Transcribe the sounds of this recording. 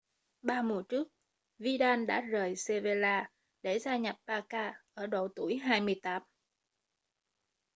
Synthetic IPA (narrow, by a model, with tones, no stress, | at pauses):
ɓaː˧mu˨˩t͡ɕɨ˦˥ək̚ | vi˧ɗaː˧nɗa̰ː˧˥zəː˨˩jse˧ve˧laː˧ | ɗe˧˩zaː˧ɲa˨˩p̚paː˧kaː˧ʔəː˧˩ɗo˨˩wt̪u˧˩əjɦaː˧jmɨ˧əjt̪aː˦˥m